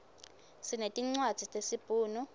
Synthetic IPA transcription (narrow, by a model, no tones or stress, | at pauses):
sinetʼiŋ͡ǀwad̥z̥ʱitʼesib̥ʼʱuːnu